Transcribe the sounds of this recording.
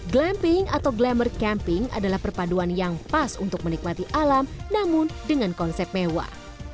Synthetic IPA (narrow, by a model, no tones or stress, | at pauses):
ɡlɛmpɪŋat̪awɡlamərkɛmpɪŋa̰dalahpərpaduanjaŋpasṵnt̪ʊk̚mənik̚mat̪iʔalamnamʊndəŋankɔnsɛp̚mewa̰